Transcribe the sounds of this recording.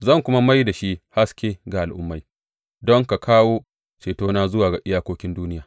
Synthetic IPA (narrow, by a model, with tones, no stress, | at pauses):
zɐ˦˨ŋkʷʊ˦ma˦ma˦jda˨ʃi˦ʔha˦skʲeː˦ɡa˨ʔa˨lʔʊ̰˦mːa˨j | dɔ˦ŋka˨kʰaː˦woː˦ | t͡ʃeː˨toː˦naː˦zʊ˦waː˨ɡa˨ʔɪ˦jaː˦kʷoː˦kʲɪ˦nduː˦nɪ˦jaː˨